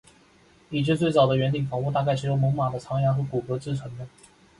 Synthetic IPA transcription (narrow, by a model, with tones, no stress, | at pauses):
i˨˩t͡ɕʰɛ˥˧˥t͡swe˥˩ɪt͡sɑ˨˩ʊd̪ə˦ɥɛ˧˥nt̪i˨˩ŋfɑ˧˥ŋu˥˧t̪a˥˧ka˥˩ɪʂɻ̩˧˥jo˥ŋmɤ˧˥ŋma˨˩d̪ə˦t͡sʰɑ˧˥ŋjɑ˧˥ŋxɤ˧˥ku˨˩kɤ˧˥t͡sɹ̩˥˩t͡sʰwə˧˥nd̪ə˧